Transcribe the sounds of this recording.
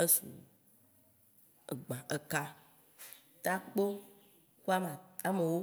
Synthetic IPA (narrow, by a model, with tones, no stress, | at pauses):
e˦sṵ˨ | e˨ɡ͡bã˨e˨ka˦ | t̪a˦k͡po˦ | xu˦a˦mã˨a˦me˨wo˦